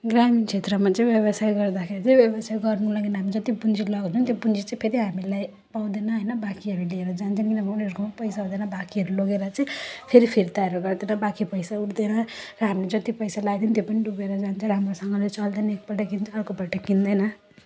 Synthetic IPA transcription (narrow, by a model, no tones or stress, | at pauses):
ɡramint͡sʰet̪rʌmat͡saĩbjʌβʌsajɡʌrd̪akʰeɾit͡sʌ̃ĩbjʌbʌsajɡʌrnulaɡinɦamid͡zʌt̪ibund͡zilʌɡt͡sʰũnt̪jobund͡zit͡sʌ̃ĩpʰeɾiɦamilaj | paw̃d̪enʌɦʌjnʌbakiɦʌɾulieɾʌd͡zant͡sʰʌnkinʌbʌpnʌɾkʰompʌjsaɦõd̪enʌbakiɦʌɾuloɡeɾʌt͡sʌĩpʰeɾipʰiɾit̪aʌɾuɡʌrd̪enʌbakipʌjsauʈd̪enʌrʌɦamiled͡zʌt̪ipʌjsalaɡd̪int̪jopʌniɖubeɾʌd͡zant͡sʰʌ̃ɾamrosʌŋɡʌlet͡sʌld̪ʌnʌek̚pʌʈʌkint͡sʰʌrkopaʈʌkind̪ʌjnʌ